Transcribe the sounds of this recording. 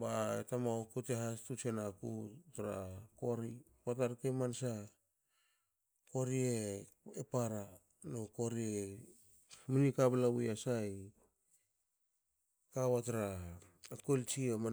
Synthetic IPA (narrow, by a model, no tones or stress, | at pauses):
baetamaokuteɦastut͡ʃenakutaɾakoɾi | pat̬aɾkemansa | ko̞ɾie | epaɾa | noko̞ɾie | munikablaβujasaj | kaβataɾa | kolt͡ʃiema